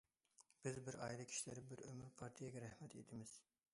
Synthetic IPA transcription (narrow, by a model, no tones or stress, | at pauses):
b̥ɪzbɪɾɑjilˠɨkʲʰi̥ʃlɪɾɪbɪɾømɪɾpʰɑɾt̪ʰijɛɡʲɛɾɛhmɛt̪ʰed̪ʰɪmɪz̥